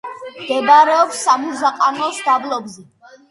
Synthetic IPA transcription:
mɡɛbaɾɛɔpsːamuzaqʼanɔsd̪ablˠɔbzɛ

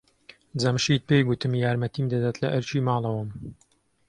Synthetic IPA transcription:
d͡zɐmʃiːt̪̚pejɡut̪ɨmjaːɾmɐt̪iːmd̪ɐd̪aːt̪lɐʔɨɾt͡ʃiːmaːlˠɐwɐm

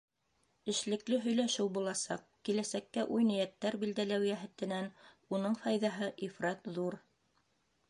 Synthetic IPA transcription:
ɘ̆ʃlɘ̆klɘɦɵ̆jlæʃɘwbulˠɑsɑ̰qkilæsækːæʔujnɘ̆jæt̪ːæɾbild̪ælæwjæɦɘ̆t̪ɘ̆næn | unɤɴfɑjðɑɦɤʔifɾɑt̪ðuɾ

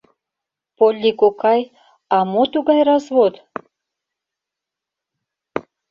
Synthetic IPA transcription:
polʲːikokɑj | ɑmot̪uɣɑjrɑzβod̪

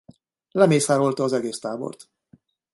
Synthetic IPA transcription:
lɛmeːsaːɾo̞lt̪ɒːzɛɡeːst̪aːbo̞̰rt̪

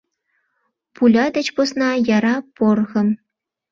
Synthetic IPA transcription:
pulʲɑd̪ăt͡ɕposnɑjaɾɑporɣɤ̆m

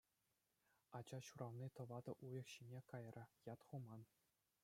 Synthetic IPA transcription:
ɑd͡ʑɑɕuɾʔɑʋnʲit̪ɤ̆ʋɑd̪ɤ̆ʔujɤ̆kɕinʲekɑjrʲɘ̆jɑt̪χumɑn

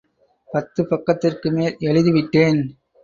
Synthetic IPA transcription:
pɐt̪ːɯpɐkːɐt̪ːɪrkɯmeːlɛɭɯðɯʋɪʈːeːn

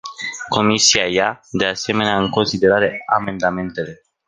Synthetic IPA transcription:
ko̞misiajad̪e̞ase̞me̞neaɨŋko̞nsid̪e̞ɾaɾe̞ame̞nd̪ame̞nt̪e̞le̞

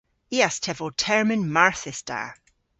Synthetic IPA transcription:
iastʰɛvɔtʰɛɹmənmaɹθɪsta̰

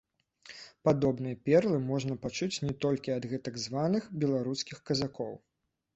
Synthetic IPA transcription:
pad̪ɔbnɨjɐpʲɛrlˠɨmɔʐnɐpat͡ʂut͡sʲnʲɛt̪ɔlʲkʲiɐd̪ɣɛt̪ɐɡzvanɨxbʲɛlˠaɾuskʲixkɐzakɔw

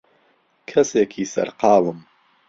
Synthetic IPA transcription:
kʰɐseːkʰiːsɐ̰ɾqɑːwɨm

